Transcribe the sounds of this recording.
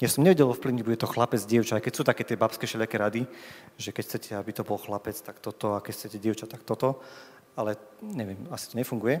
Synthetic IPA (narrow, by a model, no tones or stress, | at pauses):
jasɔmɲɛʋɛɟɛlɔfpliʊɲiɟ̚buɟɛt̪ɔxlapɛd͡zɟɪɛʊt͡ʃaajkɛcsuːt̪akɛːt̪ɪɛbapskɛʃɛʎakɛɾad̪iʒɛkɛcxt͡sɛcʰɛabit̪ɔbɔlxlapɛt͡st̪akt̪ɔt̪ɔakɛcxt͡sɛcɛɟɪɛʊt͡ʃat̪akt̪ɔt̪ɔ | alɛɲɛʋɪjɛmasi̥t̪ɔɲɛfuŋɡujɛ